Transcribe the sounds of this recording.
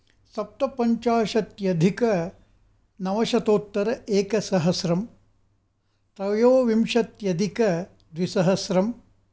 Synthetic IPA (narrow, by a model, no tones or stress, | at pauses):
sɐp̚t̪ɐpɐɲt͡ʃaːʂɐt̪jɐd̪ʱikɐ | nɐʋɐʃɐt̪oːt̪ːɐɾɐeːkɐsɐɦɐsɾɐm | t̪ɾɐjoːʋimʂɐt̪jɐd̪ʱikɐ | d̪ʋisɐɦɐsɾɐm